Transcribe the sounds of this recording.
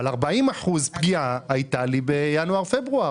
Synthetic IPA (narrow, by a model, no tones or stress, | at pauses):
laʁbaimaħuzpɡiaːjtalibejanuaʁfebʁua